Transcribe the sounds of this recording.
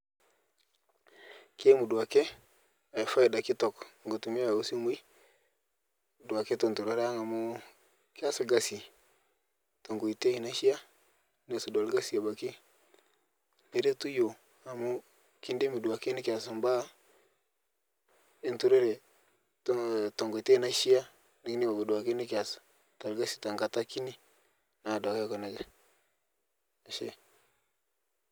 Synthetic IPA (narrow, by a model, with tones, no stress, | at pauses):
ke˦mu˨du˨a˨ke˦ | a˨jfa˦i˨da˨ki˦tɔ˨kŋɡo˨tu˨mi˦a˨o˨si˦mu˦i˦˨ | du˨a˨ke˦to˨ntu˨ɾo˦ɾa˦ŋa˨mu˦ | ki˦a˦si˨ɡa˦si˨ | to˨ŋɡu˨i˨te˦i˨na˦ʃi˦a˦ | ne˨su˨do˨lɡa˦si˨a˨ba˨ki˦ | ne˦ɾe˦tu˦jo˨ | a˨mu˦ | ki˦nde˦mi˨du˨a˨ke˦ni˦kʲa˨sa˨mba˦ | i˦ntu˦ɾe˦ɾe˨ | tto˨ŋɡo˨i˨te˦˨na˦ʃi˦ja˦ | n˦ki˦ni˦ba˨bi˨du˨a˨ke˦ni˦ka˨sḁ˨ | ta˨lɡa˦si̥˨ta˨ŋɡa˨ta˦ki˦ni˦ | na˨da˨ka˦kɔ˨na˨ɡɛ˨ | a˨ʃḛ˦